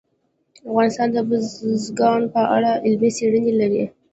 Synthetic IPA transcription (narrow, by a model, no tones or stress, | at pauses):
afɣɑnɪst̪ɑnd̪əbəzɡɑnpəʔa̰ɽaʔɪlmeseɽənelaɾi